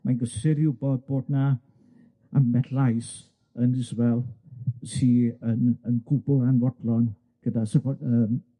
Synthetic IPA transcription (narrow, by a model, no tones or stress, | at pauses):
majɡəsɪɾjubɔd̚b̥oːdna | amɛtʰlajs | ənɪzwɛlˠsiənənɡubɔanvɔtlɔn | ɡ̥ədasəkɔəm